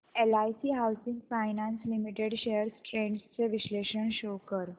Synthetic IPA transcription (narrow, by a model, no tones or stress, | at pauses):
elajsiːɦawsiŋɡfajnanslimiʈeɽɕejəɾsʈɾeɳɖst͡seʋiɕleɕəɳɕokəɾ